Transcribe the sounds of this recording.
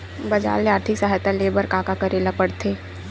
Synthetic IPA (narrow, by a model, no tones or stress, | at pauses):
bɐd͡ʒa̰ːleaːɾt̪ʰɪksɐɦaːjt̪aleːbəɾkaːkakɐɾeːlapɐɽt̪ʰeː